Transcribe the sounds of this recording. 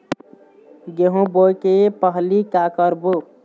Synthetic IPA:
ɡeɦũbokepəɦlikakəɾbu

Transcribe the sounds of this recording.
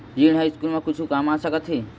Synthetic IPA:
jiɳɦajskulmẽkut͡ʃʰukamasəkət̪ɦi

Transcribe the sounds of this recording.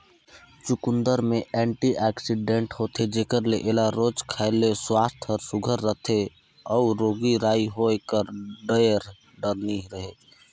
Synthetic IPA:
t͡ʃukund̪əɾmeʔɛɳʈiʔɛksiɖẽɳʈɦot̪ʰed͡ʒekəɾleʔelaɾod͡ʒkʰaɪlːeswast̪ʰəɾsuɡʱəɾːət̪ʰe | ɔuɾoɡiɾaːiɦoekəɾɖəjəɾ | ɖəɾniɦɾəɦe

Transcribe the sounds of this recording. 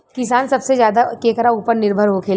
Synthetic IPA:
kɪs̬aːnsɐbsezjaːd̪akeːkɾauːpəɾnɪɾbʱəɾɦokʰeːl

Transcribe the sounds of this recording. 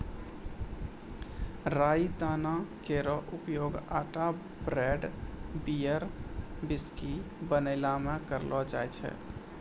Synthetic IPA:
ɾait̪anakeɾɔʔupjoɡaʈa | bɾeɖbijəɾbiski | bənəɪlamekəɾlɔd͡ʒa̰jt͡ʃʰɛ̰

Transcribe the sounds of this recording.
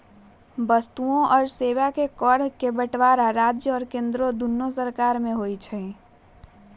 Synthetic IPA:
bəst̪uõʔɔːɾseːwakekɔɽ̤kebəʈʋaɾaɾaːd͡ʒjəɔːɾkẽːnd̪ɾod̪unːos̬əɾkaːɾmẽɦoit͡ʃʰɛ

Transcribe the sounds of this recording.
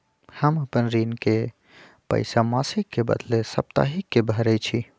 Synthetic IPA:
həməpənɾinke | pə̰ɪsamasikːebə̰d̪lesəp̚t̪a̰ɦikːebʱəɾəjt͡ʃʰi

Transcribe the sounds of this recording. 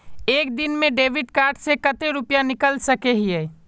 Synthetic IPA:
eːkd̪inmẽɖeːʋɪɖkaːɾɖsekət̪eɾupjanɪkəlsəkeɦiɛː

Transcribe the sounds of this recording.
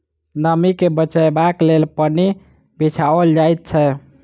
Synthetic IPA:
nəmikebət͡ʃajbaklelpəni | bit͡ʃʰaəld͡ʒajt̪̚t͡ʃʰɛ

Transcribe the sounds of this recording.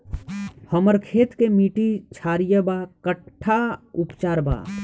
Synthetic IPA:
həməɾkʰeːt̪kemiːʈit͡ʃʰaːɾijəbakəʈʰːaʊpt͡ʃaːɾba̰

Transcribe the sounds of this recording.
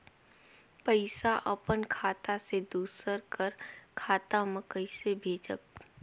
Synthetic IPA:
pəɪsaʔəpənkʰaːt̪ased̪uːsəɾkəɾkʰaːt̪aməkəɪsebʱeːd͡ʒək̚

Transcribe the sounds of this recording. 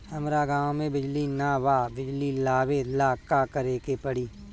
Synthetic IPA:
həmɾaɡãːwmẽbɪd͡ʒlinaʋaːbɪd͡ʒlilaːbeːlaːkaːkəɾeːkepəɽiː

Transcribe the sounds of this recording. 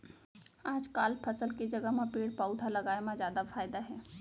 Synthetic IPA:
aːd͡ʒkaːlpʰəsəlkid͡ʒɐɡəɦmãpeːɽpaːʊd̪ʱalɐɡaːemãzjaːd̪afʰaːɪd̪aɦɛː

